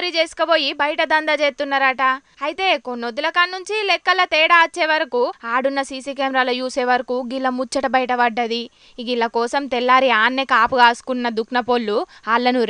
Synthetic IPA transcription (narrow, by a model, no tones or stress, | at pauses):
ɾid͡ʒeːsu̥kɐbo̞ːjibɐjɐʈɐd̪ɐnd̪ɐd͡ʒeːt̪unːaːɾaːʈɐ | ɐjt̪e̞ːko̞nːod̪ulɐkɐnːuɲt͡ʃilɛkːɐlːɐt̪ɛːɽaːt͡ʃːeːʋɐɾɐkuaːɽunːɐsiːsiːkeːmɾaːlɐjuːseːʋɐɾɐkuɡilːɐmut͡ʃːɐʈɐbɐjɐʈɐbɐɖːɐd̪i | iɡilːɐkɔːsɐmt̪ɛlːaːɾiaːnːekaːpuɡaːsu̥kunːɐd̪uknɐpolːuaːlːɐnu